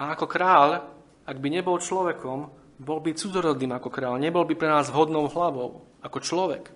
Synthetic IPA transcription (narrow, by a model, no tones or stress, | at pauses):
aakɔkɾaːʎ | aɡbiɲɛbɔlt͡ʃlɔʋɛkɔm | bɔlbit͡sud͡zɔɾɔd̪niːmakɔkɾaːʎɲɛbɔlbipɾɛnaːzɦɔd̪nɔʊɦlaʋɔ̰ʊ | akɔt͡ʃlɔʋɛ̰k